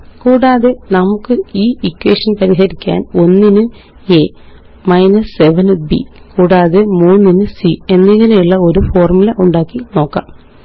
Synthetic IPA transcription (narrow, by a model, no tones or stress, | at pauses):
kuːɽaːðe̞nɐmukːɨiːikːwḛːʂɐnpɐɾiɦɐɾikʲːa̰ːno̞nːinɨ | e̞ | mɐjnɐsːe̞ʋɐnbḭkuːɽaːðe̞muːnːinɨsie̞nːeŋːɐne̞juɭːɐo̞ɾufo̞ːrmulɐʔuɳɖaːkːino̞ːkːa̰ːm